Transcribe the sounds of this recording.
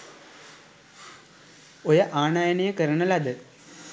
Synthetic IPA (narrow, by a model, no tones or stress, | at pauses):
ojəʔaːnaːjənejəkəɾəɳəlad̪ə